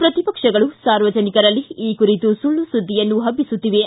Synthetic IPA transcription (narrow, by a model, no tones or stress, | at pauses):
pɾɐt̪ipɐkʂɐɡɐɭusaːɾʋɐd͡ʒɐnikɐɾɐlːiiːkuɾit̪usuɭːusud̪ʱːijɐnːuɦɐbːisut̪ːiʋe